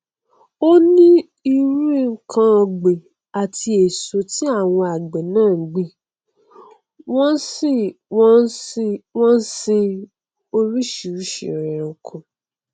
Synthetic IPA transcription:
o˦nĩ˦ | i˧ɾu˦kʰã˧ɔ˧ɡ͡be˨ | a˨ti˧e˨so˨ti˦a˦˨w̃ɔ̃˧a˨ɡ͡bɛ˨nãː˦˨˦ɡ͡bi˨˦ | wɔ̃˦si˦˨wɔ̃˦n̩˦si˧wɔ̃˦n˦si˧ | o˦˧ɾi˦ʃi˨ɾu˦ʃḭ˨ɾɛ˨ɾã˨kʰũ˨˧

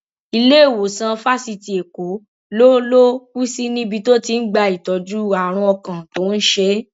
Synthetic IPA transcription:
i˧le˦˨wo˨sã˧fa˦si˧ti˧˨e˨ko˨˦ | lo˦lo˦ku˦si˦nĩ˦bi˧to˦ti˧n̩˦ɡ͡ba˧i˨tɔ˨˧d͡ʒu˦˨a˨ɾ̃ũ˧ɔ˧kã˨to˨˦n̩˦ʃe˧˦

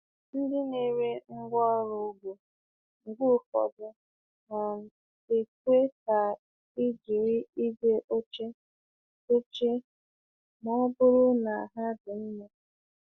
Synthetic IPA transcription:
n̩˦dɪ˦ne˦˨ɾe˦ŋ̩˦ɡʷɔ˦ɾʊ˨˦ɡu˨ | ŋ̩˨ɡʷu˦fɔ̰˨bʊ˨ | ɦɔ˨m̩˨ | e˨kʷe˦ta˨ | i˦d͡ʒi˨ɾɪ˦i˦de˦ʔo˦t͡ʃe˦ | o˦t͡ʃe˦ | m˦ɔ˦bʊ˦ɾʊ˦na˨a˨ɦa˦dʊ˨n̩˦me˦

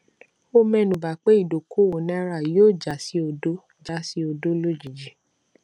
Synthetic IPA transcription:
o˧mɛ̃˦˨nũ˨ba˨k͡pe˦i˦˨do˨ko˨˦˨wo˨nĩ˦a˦˧˦ɾa˦˨˦oː˦˨d͡ʒa˨si˨˦o˧do˦ | d͡ʒa˨˦si˦o˧do˦lo˦d͡ʒi˨d͡ʒi˨˦

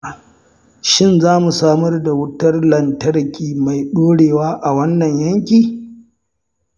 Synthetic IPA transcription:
ʃɪ˦nzaː˦mu˨saː˦mɐ˦rda˨wʊ˦tɐ˦rlɐ˨ntɐ˦ɽkʲiː˨ma˨jɗoː˦ɽeː˨waː˦ʔa˨wɐ˦nːɐ˨ɲjɐ˦ŋkʲiː˨

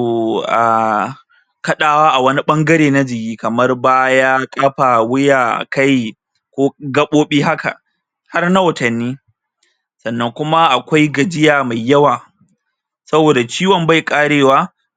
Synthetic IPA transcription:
ʔa̰˨ | kɐ˦ɗaː˨waː˦ʔa˨wɐ˦ni˦ɓɐ˦ŋɡɐ˦ɾeː˨na˦d͡ʒɪ˨kʲiː˦kɐ˨mɐ˦rbaː˦jaː˦kʼaː˦ɸa˨wɪ˦jaː˨ka˦j | kʷoː˦ɡɐ˦ɓoː˦ɓiː˦ha˦ka̰˨ | ha˦rna˦wɐ˨tɐ˨nːiː˦ | sɐ˨nːɐ˦ŋkʷʊ˦ma˦ʔa˨kʷa˦jɡɐ˨d͡ʒɪ˦jaː˨ma˨jːɐ˦waː˨ | sɐ˦boː˨da˨t͡ʃiː˦wɔ˨mba˦˨jkʼaː˦ɽeː˨waː˦

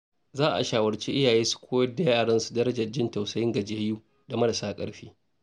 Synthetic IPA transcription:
zaː˦ʔa̰˨ʃaː˨wɐ˨ɾt͡ʃe˦ʔɪ˦jaː˨jeː˦su̥˨kʷʰoː˦jɐ˦da˨ja˦ʔa˨ɽɐ˦nsu̥˨dɐ˦ɾɐ˦d͡ʒɐ˨rd͡ʒɪ˦nta˨wsɐ˦jɪ˦ŋɡɐ˨d͡ʒe˨hjuː˦ | da˨mɐ˦ɽɐ˨saː˦kʼɐ̰˦ɽɸiː˦

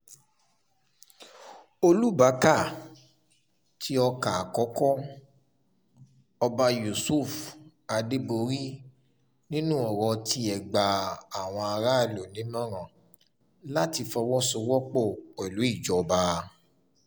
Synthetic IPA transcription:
o˧lu˦ba˨˦ka˦˨ | tʰi˦ɔ˧ka˨a˨kɔ˨˦kɔ˦ | ɔ˧ba˧ju˨su˦˨f | a˨˧de˦bo˧ɾi˦ | nĩ˦nũ˦ɔ˨ɾɔ˧ti˧ɛ˨ɡ͡ba˨a˨w̃ɔ̃˧a˧ɾa˦˧˨lo˨nĩ˨˦mã˦ɾã˦˨ | la˦ti˧fɔ˧wɔ˦sɔ˧wɔ˦k͡pɔ˦˨ɛ˨lu˨˦i˦˨d͡ʒɔ˨˧ba˧

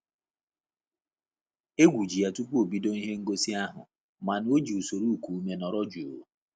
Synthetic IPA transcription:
e˦ɡʷu˨d͡ʒi˨ja˨tu˦pu˦o˨bi˦do˦ni˦ɦe˦ŋ̩˦ɡo˦si˦a˦ɦʊ˨ | ma˨n˦o˦d͡ʒi˨u˨so˨ɾu˦u˨ku˨u˦me˦nɔ˨ɾɔ˦d͡ʒu˨o˨˦

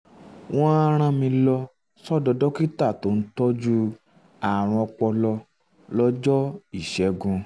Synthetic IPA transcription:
wʔɔ̃˦a˦ɾ̃ã˦mĩ˧lɔ˧ | sɔ˦˨dɔ˧dɔ˦ki˦ta˦˨to˨˦n̩˦tɔ˦d͡ʒu˦ | a˨ɾ̃ɔ̃˧ɔ˧k͡pɔ˧lɔ˧ | lɔ˦d͡ʒɔ˦i˦˨ʃɛ˨˦ɡũ˧

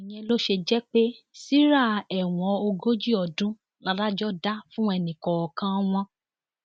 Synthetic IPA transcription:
i˨j̃ɛ̃˧lo˦ʃe˧d͡ʒɛ˦k͡pe˦ | si˦ɾa˦˨ɛ˨w̃ɔ̃˨˧o˧ɡo˦d͡ʒi˦ɔ˨dũ˦ | la˦ɾa˦d͡ʒɔ˦da˦fũ˦ɛ˧nĩ˨kɔ̃˨ɔ˨kã˧w̃ɔ̃˧

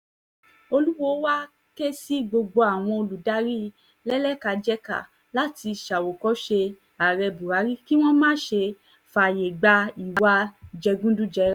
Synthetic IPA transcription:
o˧lu˦wɔ˧˦wa˦ | ke˦si˦ɡ͡bo˧ɡ͡bo˧a˨w̃ɔ̃˧o˧lu˨da˨˦ɾi˦ | lɛ˦lɛ˦ka˧d͡ʒɛ˦ka̰˨ | la˦ti˧˨ʃa˨wo˨kɔ˨˦ʃe˧ | a˨ɾɛ˧bu˨ɾa˨˦ɾi˦ki˦w̃ɔ̃˦mãː˦ʃe˧ | fa˨je˨ɡ͡ba˧i˨wa˧d͡ʒɛ˧ɡũ˦dũ˦d͡ʒɛ˧˦

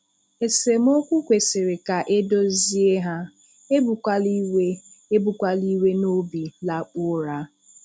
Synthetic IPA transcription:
e˨se˨m˦o˦kʷu˦kʷe˨sɪ˨ɾɪ˨ka˨ʔe˦do˦zi˦e˦ɦa˦ | e˦bu˨ka˦li˦we˦e˦bu˨kʷa˦li˦we˦no˦bi˨la˨k͡pʊ˦ɾa˦

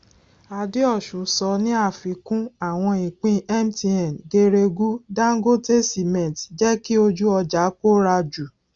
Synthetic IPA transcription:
a˨de˦ɔ˦˨ʃũ˨˦sɔ˧˦nĩ˦a˦˨fi˨˦kũ˦a˦˨w̃ɔ̃˧ĩ˨k͡pĩ˦ɛ˦mti˧ɛ˨n˨ɡe˧ɾe˧ɡu˦dã˦ŋ˦ɡo˦te˦si˨mɛ̃˨td͡ʒɛ˦ki˦o˧d͡ʒu˦ɔ˧d͡ʒa˨˦ko˦ɾa˧d͡ʒu˨

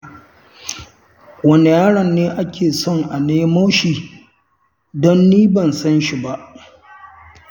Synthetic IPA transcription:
wɐ˦ne˨jaː˦ɽɐ˨nːeː˦ʔa˦kʲʰeː˨sɔ˦˨ŋʔa˨neː˦ma˦ʃiː˨ | dɔ˦nːiː˦bɐ˨nsɐ˦nʃi˨ba˦ʔ

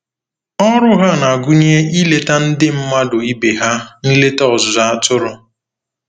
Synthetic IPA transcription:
ɔ˦ɾʊ˦ɦa˦na˨a˨ɡu˦ɲ˦e˦i˦le˦ta˦n̩˦dɪ˦m̩˦ma˦dʊ˨i˦be˨ɦa˦ni˦le˦ta˦ɔ˨zʊ˨za˦˨a˦tʊ˦ɾʊ˦

